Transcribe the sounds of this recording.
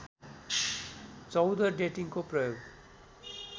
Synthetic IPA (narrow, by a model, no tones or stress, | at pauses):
t͡sɔwd̪əɹɖeʈiŋkopɹɔjoɡ